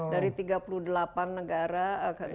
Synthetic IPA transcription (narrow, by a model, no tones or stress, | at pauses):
daɾit̪iɡapuluhdəlapanːəɡaɾaka